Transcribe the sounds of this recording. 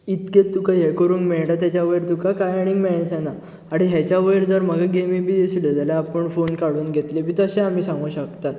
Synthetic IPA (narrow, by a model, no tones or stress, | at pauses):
it̪kett̪ːukajekəɾuːnmeɭʈat̪jat͡ɕjaʋəiɾt̪ukakajaɽ̃imeɭãsãna | aɽ̃iɦjat͡ɕjaʋəiɾd͡zəɾm̤əɡaɡemibʱiːd̪esud̪ʱəd͡zalaapəɳfonkaɽuːnɡʱet̪lebʱiːt̪əɕẽam̤iːsãŋɡuːɕəkt̪at̪